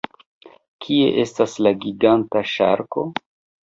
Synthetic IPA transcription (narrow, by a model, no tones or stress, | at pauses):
kʰie̞̰ʔe̞staslaɡiɡantaʃa̰ɾko̞